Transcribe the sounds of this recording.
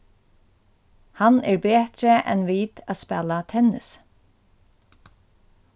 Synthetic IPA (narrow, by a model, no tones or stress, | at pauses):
hanɛːɹbeːt̪ɾəʔɛ̰nʋiːt̪æspɛlat̪ʰɛnɪ̰s